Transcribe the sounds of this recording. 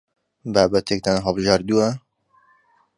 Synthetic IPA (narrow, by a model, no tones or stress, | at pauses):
baːbɛt̪ek̚t̪ɛnɦɑlˠbɨʒaːɾd̪uɛ